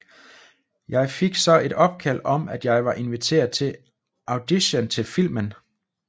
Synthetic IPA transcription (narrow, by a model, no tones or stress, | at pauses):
jɑ̈ɪfe̝ɡ̥sɒ̽e̝d̥ɒ̽b̥̚kʰæl̰ɒ̽mæd̥jɑ̈ɪʋɑ̈ʔe̝nʋit͡sʰe̝̰ːɐðˠt͡sʰe̝ | ʔɑ̈ʊd̥iɕənt͡sʰe̝lfil̰mən